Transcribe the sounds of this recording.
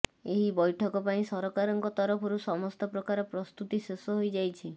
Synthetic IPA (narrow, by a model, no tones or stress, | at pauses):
eɦibɔjʈʰɔkɔpaĩsɔɾɔkaɾɔŋkɔt̪ɔɾɔpʰɔɾusɔmɔst̪ɔpɾɔkaɾɔpɾɔst̪ut̪isesɔɦojd͡ʒajt͡ʃʰi